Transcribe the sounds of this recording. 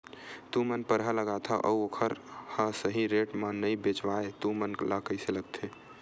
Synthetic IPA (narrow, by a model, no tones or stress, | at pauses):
t̪umənpəɾɦələɡat̪ʰaʔə̰uokʰəɾhəsəɦiɾeʈmənəjbet͡ʃʋaet̪umənləkəjseləɡ̚t̪ʰe